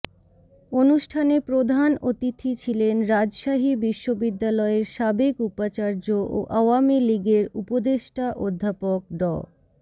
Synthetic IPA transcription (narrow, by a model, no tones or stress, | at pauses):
onuʃʈʰanepɾod̪ʱanot̪it̪ʰit͡ɕʰilenɾad͡ʑʃaɦibiʃːobid̪ːalɔeɾʃabekupat͡ɕaɾd͡ʑoʔo̰ʔaoamiliɡeɾupod̪eʃʈaʔod̪ʱːapok̚ɖɔ̰